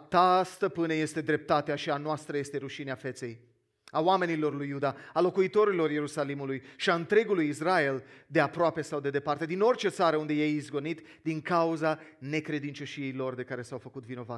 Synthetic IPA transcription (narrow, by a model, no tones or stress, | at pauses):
t̪ast̪əpɨneje̞st̪e̞d̪ɾe̞p̚t̪at̪eaʃianoast̪ɾəje̞st̪e̞ɾuʃineafe̞t̪se̞j | awame̞nilo̞rlujːud̪aalo̞kuit̪o̞ɾilo̞rje̞ɾusalimulujʃiaɨnt̪ɾe̞ɡulujis̬rae̞ld̪e̞apɾoape̞sawd̪e̞d̪e̞part̪e̞d̪ino̞rʲt͡ʃe̞t̪saɾəund̪e̞jejizɡo̞nit̪ | d̪iŋkauzane̞kɾe̞d̪int͡ʃo̞ʃije̞jlo̞rd̪e̞kaɾe̞sawfəkut̪vino̞va